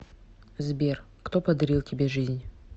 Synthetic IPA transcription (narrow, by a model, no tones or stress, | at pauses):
zbʲer | kt̪o̞pɐd̪ɐɾʲilˠtʲɪbʲeʐɨzʲnʲ